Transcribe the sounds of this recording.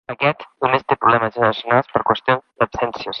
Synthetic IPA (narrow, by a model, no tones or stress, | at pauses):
akɛt̪unest̪epɾulɛmazenɾasjonalspəɾkwest̪jond̪apsɛnsjos